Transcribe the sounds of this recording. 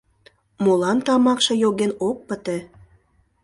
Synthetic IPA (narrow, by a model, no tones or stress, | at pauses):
molɑnt̪ɑmɑkʃɤ̆joɣenok̚pət̪ĕ